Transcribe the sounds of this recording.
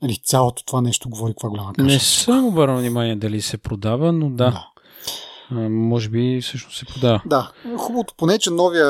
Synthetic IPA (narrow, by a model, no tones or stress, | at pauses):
nɐlisʲjalˠot̪o̥t̪ovanɛʃt̪oɡovɔɾikvaɡolʲaməknaɛsəmobəɾəvnimaniɛd̪ɐlisɛpɾod̪avənod̪aa | mɔʒɛbifsɤʃnossɛpɾod̪avəd̪axubəvot̪o̥ponɛt͡ʃɛnɔvijə